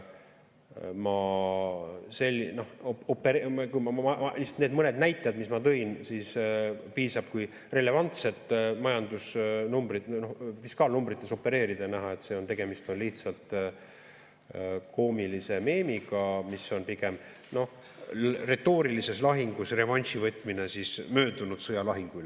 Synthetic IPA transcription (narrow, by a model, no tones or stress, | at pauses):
mɑ | se̞lʲːino̞hopːe̞ɾkujmɑmɑɑlihsɑ̥t̪ned̪mɤne̞d̪næjt̪ːˑejɑd̪mismɑt̪ɤ̞insispiːsɑb̥kuj | re̞le̞vɑnt̪se̞t̪ˑːmɑjɑnd̪̥usnumbɾit̪no̞hfiskɑːlnumbrit̪ːˑe̞so̞pːe̞ɾe̞ːɾid̪̥ɑnæɦɑe̞t̪se̞ːo̞nt̪e̞ɡ̥e̞mist̪o̞nliht̪sɑlt̪ˑ | ko̞ːmilise̞me̞ːmiɡɑmisːo̞npiɡe̞m | no̞h | re̞t̪ːo̞ːɾilise̞slɑɦiŋɡ̥usre̞vɑnʲsivɤt̪ˑmine̞sismø̞ːd̪unud̪̥sɤjɑlɑɦiŋɡ̥uyl